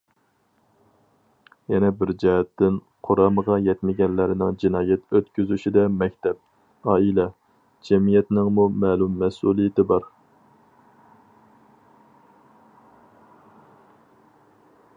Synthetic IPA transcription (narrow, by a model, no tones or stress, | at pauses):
jɛnɛbɪɾd͡ʒɛɦɛt̪ːɪn | qʰoɾɑːməʁɑjɛt̪mɪɡʲɛnlɪɾɪnɪŋd͡ʒinɑːjɛt̪øt̪kʲyzyʃid̪ɛmɛkʲt̪ʰɛp̚ | ɑːilɛ | d͡ʒɛmijɛt̪nɪŋmumɛːlumːɛsulˠijɪt̪ʰɪbɑɾ